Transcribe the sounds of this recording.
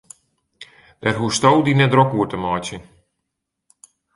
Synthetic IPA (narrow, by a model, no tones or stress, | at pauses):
d̥aːrɦuəstowdinɛt̚drɔkuətəmaːtə